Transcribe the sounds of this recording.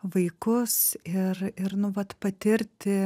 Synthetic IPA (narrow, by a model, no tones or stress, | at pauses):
ʋɐɪkʊsɪrɪrnʊʋɐt̪pɐt̪ʲɪɾʲt̪ʲɪ